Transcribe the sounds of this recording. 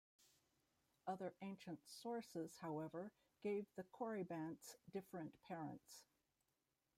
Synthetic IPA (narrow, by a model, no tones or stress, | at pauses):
ʌðə˞ʔẽɪ̃nʃɨ̃ntsɔɹsɪz̥haʊɛvə˞ | ɡ̥eɪvðɨkʰɔɹibæ̃ntsd̥ɪfɹɨ̃npʰɛɹə̰̃nts